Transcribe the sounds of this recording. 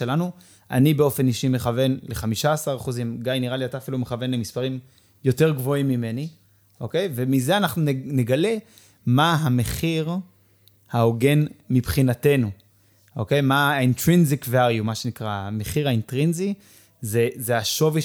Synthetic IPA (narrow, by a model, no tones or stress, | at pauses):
elanu | ʔa̰nibe̞o̞fe̞niʃime̞χave̞nle̞χamiʃaːsaʁaχuzimɡajniʁaliataːfilumeχave̞nlemispaʁim | jo̞te̞ʁɡvo̞imːime̞ni | ʔo̞ke̞jve̞mize̞anaχnunneɡale | maɦame̞χiʁ | haoɡe̞nmipχinate̞nu | ʔo̞ke̞jmaintʁinzikvaljumaʃe̞nikʁaame̞χiʁaintʁinzi | zezeaʃo̞vi